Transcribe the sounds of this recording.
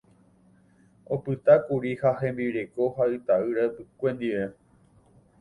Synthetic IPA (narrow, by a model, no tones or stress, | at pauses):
o̞pɨt̪akuɾihaɦẽ̞mbiɾeko̞haɨt̪aɨɾapɨkʷẽ̞nd̪iʋe̞